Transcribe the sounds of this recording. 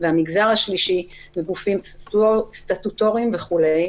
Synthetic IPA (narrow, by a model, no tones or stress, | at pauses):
veamiɡzaʁhaʃliʃimeɡufim | st̪at̪ut̪o̞ʁimveχule̞j